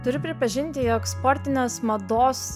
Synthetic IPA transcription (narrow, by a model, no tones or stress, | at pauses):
t̪ʊɾʲʊpʲɾʲɪpɐʒʲɪnʲt̪ʲɪjɔkspɔːɾʲt̪ʲɪnʲeːsmɐd̪oːs